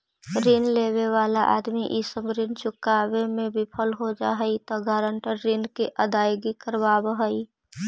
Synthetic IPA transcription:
ɾinleːwewaːlaʔa̰ːd̪miʔisəbɾint͡ʃʊkaːwemẽbʱipʰəlɦod͡ʒa̰ːɦəit̪ɔɡaːɾəɳʈəɾːinkiʔəd̪aːjɡikəɾbaːbɦəi

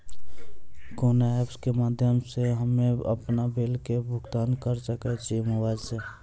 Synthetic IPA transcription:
konaepskemaːd̪ʱjəmseɦəmeə̰pnabelkebʱʊɡt̪aːnkəɾsəket͡ʃimoʋaːd͡ʒse

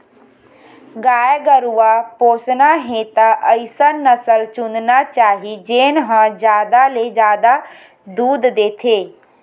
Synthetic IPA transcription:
ɡaːjɡəɾuapoːsnaɦẽt̪aʔəɪsanəsəlt͡ʃʊnd̪nat͡ʃaːɦid͡ʒeːnɦãd͡ʒjaːd̪aled͡ʒaːd̪a | d̪uːd̪d̪eːt̪ʰeː

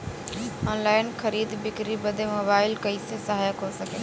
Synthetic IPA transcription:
ɔːnlaːɪnxɐɾiːd̪bɪkɾibɐd̪ʱemoːbaːɪlkɐisesɐɦaːjakosɐkeː

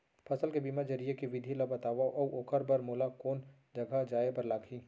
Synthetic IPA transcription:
pʰɐsəlkebiːmad͡ʒɐɾijekiʋɪd̪ʱilɔbɐt̪aːʋaʔɔːoːkʰəɾbɐɾmoːlakoːn | d͡ʒɐɡʱad͡ʒaːepɐɾlaːkʰiː

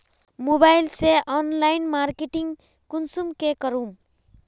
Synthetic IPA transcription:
mobajlseʔɔnlajnmaɾkeʈiŋ | kunsumkekʌɾum

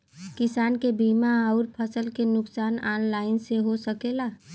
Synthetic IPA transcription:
kɪsaːnkebiːmaəʊɾpʰəsəlkenʊksaːnaːnlaːɪnseɦosəkeːlaː

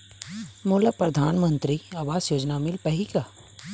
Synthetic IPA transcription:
moːlapɾɐd̪ʱaːnmə̃nt̪ɾiaːʋaːzjoːd͡ʒnamɪlpɐɦikaː

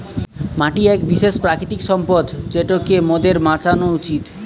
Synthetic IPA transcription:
maʈiɛkbiʃeʃpɾakɾit̪ikʃɔmpod̪t͡ɕeʈokemod̪eɾmãt͡ɕanout͡ɕit̪

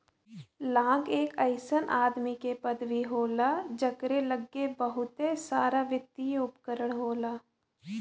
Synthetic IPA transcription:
lãːŋɡeːkəɪsənʔaːd̪mikepəd̪ʋiɦoːlad͡ʒəkɾeləɡːebəɦʊt̪ɦesaːɾaʋɪt̪ːieʊpkəɾəɽ̃ɦoːlaː

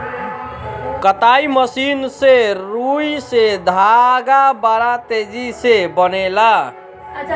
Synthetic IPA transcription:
kət̪aiməsinseɾujsed̪ʱaɡabaɾat̪ed͡ʒisebənela

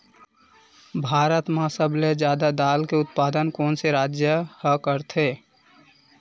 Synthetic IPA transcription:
bʱaːɾət̪mãsəbled͡ʒjaːd̪ad̪aːlkeʊt̪̚paːd̪ənkɔːnseɾaːd͡ʒjəhəkəɾt̪ʰeː

